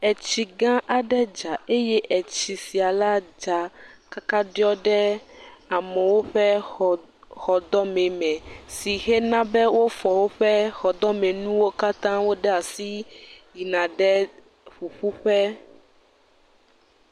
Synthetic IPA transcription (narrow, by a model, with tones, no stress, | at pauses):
ɛ˨t͡ɕi˨ɡã˦ʔa˨ɖɛ˦d͡ʒa˨e˦jɛ˦ʔɛ˨t͡ɕi˨si˨a˨la˦d͡ʒa˨ka˦ka˦ɖi˦ɔ˦ɖɛ˦a˨mɛ˨wo˦ɸɛ˦ | xɔ˨d̪ɔ˦mɛ̃˨mɛ̃˨si˨ɦɛ˦nã˦bɛ˦wo˦fɔ˨wo˦ɸɛ˦xɔ˨d̪ɔ˦mɛ̃˨nũ˦wo˦ka˦t̪ã˦wo˦ɖɛ˦a˨si˦ji˨nã˨ɖɛ˦ | ɸu˨ɸu˦ɸɛ˦